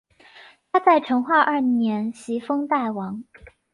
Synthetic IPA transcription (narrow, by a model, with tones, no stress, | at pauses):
t̪ʰa˥t͡sa˥˩ɪʈ͡ʂʰɤ˧˥ŋxwa˥˧ʔɐ˥˩njɛ˧˥nɕi˧˥fɤ˥ŋt̪a˥˩ɪwɑ˧˥ŋ